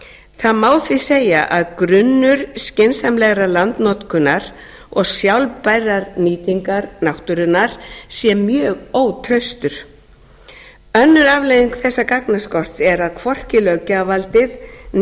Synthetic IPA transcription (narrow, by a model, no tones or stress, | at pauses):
θaðmaːwθvɪseːjaʔaðkɾʏnːʏɾ̥scɪnsamlɛɣɾalant̪nɔt̪kʰʏnaɾ | ɔɣsjawlpajrːaɾniːt̪iŋkaɾnawht̪ʏɾʏnːaɾ̥sjɛmjœːɣoːwt̪ʰɾœɥst̪ʏɾ̥ | œnːʏɾavlejðiŋkθɛsːakaknaskɔr̥t̪sɛɾaðkʰvɔr̥cɪlœːɣcavalt̪ɪð